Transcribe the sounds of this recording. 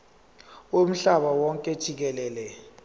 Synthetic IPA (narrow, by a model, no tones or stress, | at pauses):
om̩ɬaɓawɔŋkʼɛd̥ʒ̥ʱik̬ɛlɛːlɛ